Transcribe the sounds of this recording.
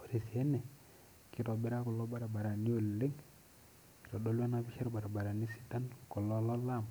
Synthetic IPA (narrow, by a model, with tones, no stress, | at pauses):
o˨ɾi˨si˨ɛ˦nɛ˨ | ki˨ɾɔ˨bɛ˦ɾa˦kɔ˨lɔ˦ba˦ɾa˨ba˨ɾa˨ni˦o˦˨le˦ŋ | ki̥˨ɾɔ˨do˦lwa˦na˦bi˦ʃa˦ɾba˨ɾa˨ba˨ɾa˨ni˦si̥˦ta˦nkɔ˨lɔ˦lɔ˦la˦˨m